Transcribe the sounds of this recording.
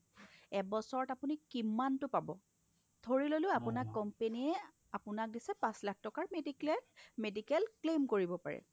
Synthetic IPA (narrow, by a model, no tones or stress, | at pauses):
ɛbɔsɔɹɔtapʊnikimantʊpabɔ | tʰoɹilolʊapʊnakːɔmpeniɛ | apʊnak̚disɛpãslak̚ʰtɔkaɹmediɛmedikɛlklemkoɹibɔpa̰ɹɛ̰